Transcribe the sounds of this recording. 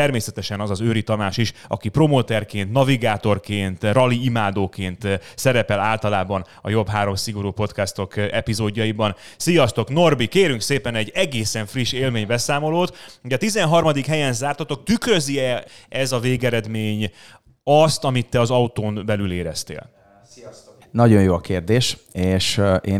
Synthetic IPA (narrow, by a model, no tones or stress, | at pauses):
ɛrmeːsɛt̪ɛʃɛnɒzɒzøːɾit̪ɒnaːʃiʃɒ̰kipro̞moːt̪ɛrkeːnt̪nɒviɡaːt̪o̞rkeːnt̪rɒliimaːd̪oːkeːnt̪sɛɾɛpɛlaːlt̪ɒlaːbɒn | ɒ̰jo̞bɦaːɾo̞msiɡo̞ɾuːpo̞t̪kɛst̪o̞kɛpizoːɟːɒjibɒn | sijɒst̪o̞kno̞rbikeːɾyŋkseːpɛnɛɟːɛɡeːsɛɱfriʃeːlmeːɲbɛsaːmo̞loːt̪ɟɛt̪izɛnɦɒrmɒd̪ikɦɛjɛnzaːrt̪ɒt̪o̞k̚t̪ykrø̞ziɛɛzɒveːɡɛɾɛd̪meːɲ | ɒst̪ɒmit̪ːɛɒzɒut̪oːmbɛlyleːɾɛst̪ḛːl | nɒɟo̞jjoːɒkeːrd̪eːʃeːʃʔeː